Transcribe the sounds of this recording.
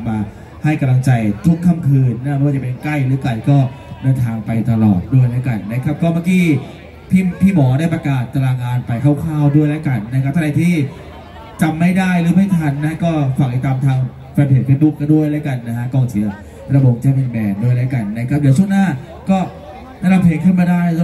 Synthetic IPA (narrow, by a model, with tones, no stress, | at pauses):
maː˧ | ha˥˩jka˧mla˧ŋt͡ɕa˧jt̪ʰu˦˥˩ŋkʰa˧˥˩mkʰɯː˧nna˦˥˩waː˥˩t͡ɕa˨pe˧nkla˥˩jɾɯː˨˦kla˨˩jkɔː˥˩dɤː˧nt̪ʰaː˧ŋpa˧jt̪a˧lɔ̰ː˨˩t̪̚du˥˩əjlaː˦˥ka˧nːa˦˥kʰa˦˥p̚kɔː˥˩maː˥˩kiː˧˩ | pʰiː˥˩pʰiː˥˩mɔː˨˩˦daː˥˩jpɾa˧kaː˨˩t̪ːa˧laː˧ŋaː˧npa˧jkʰaː˥˩wkʰaː˥˩wdu˥˩əjlɛː˦˥ka˧nːa˦˥kʰa˦˥p̚t̪ʰa˧da˧t̪ʰiː˥˩ | t͡ɕa˧mːa˥˩jdaː˥˩jɾɯː˨˦ma˥˩jt̪ʰa˧nːa˧˦˥kɔː˥˩fa˨˩ŋ̚ʔ̪i˧˩t̪aː˧mt̪ʰaː˧ŋ | faː˧npʰeː˨˦ŋpʰe˦˥bu˦˥˩kːa˧˩du˥˩əjlaː˦˥ka˧nːa˦˥kʰkɔː˨˩ŋt͡ɕʰi˨˦ɐ | pɾa˧boː˧ŋt͡ɕa˧˩nʔi˨˩mɛː˧ndu˥˩əjla˦˥jka˧nːa˦˥kʰa˦˥p̚dɛː˨˩˦t͡ɕʰu˥əŋnaː˥˩ | kɔː˥˩ | nʰaː˧˩nda˨˧pʰeː˨˦ŋkʰɯ˥˩nmaː˧daː˥˩ja˦˧˥